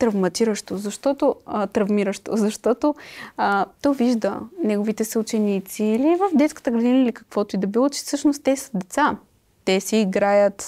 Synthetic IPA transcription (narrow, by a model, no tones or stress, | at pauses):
t̪ɾɐvmɐt̪iɾəʃt̪ozɐʃt̪ɔt̪ot̪ɾɐvmiɾəʃt̪o̰zɐʃt̪ɔt̪oət̪ɔjviʒd̪ənɛɡovit̪ɛsɛut͡ʃɛnit̪siːlivəvd̪ɛt̪skə̥t̪əɡɾɐd̪inəilikɐ̥kvɔt̪oid̪ɐbilˠot͡ʃɛ̥sɤʃnost̪ɛsə̥d̪ɛt̪sa | t̪ɛsɛːɡɾajət̪